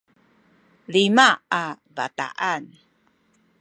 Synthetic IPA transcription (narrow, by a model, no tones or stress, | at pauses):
limaavata̰ʔan